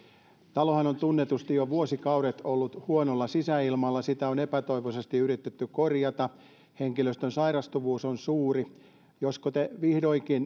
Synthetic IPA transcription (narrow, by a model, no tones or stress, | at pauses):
t̪ɑlohɑnont̪unːet̪ust̪ijoʋuosikɑuɾet̪olːut̪huonolːɑsisæilmɑlːɑsit̪æonepæt̪oiʋosest̪iyrit̪ːet̪ːykorjɑt̪ɑ | heŋkiløst̪ønsɑiɾɑst̪uʋuːsonsuːri | joskot̪eʋihdoikin